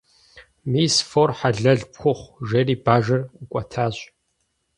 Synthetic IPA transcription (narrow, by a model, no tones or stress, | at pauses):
miːsfoːrħaɮɐɮpxʷʊχʷʒeriːbaːʒɐrkʷʼɐtʰaːɕʼ